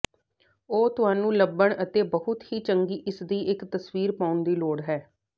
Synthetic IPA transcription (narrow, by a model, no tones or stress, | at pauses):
oːt̪ʊɦaːnũːləbːəɳət̪eːbəɦʊt̪hiːt͡ʃəŋɡiːʔɪsd̪iːʔɪkt̪əsʋiːɾpãːʊnd̪iːloːɽɦɛː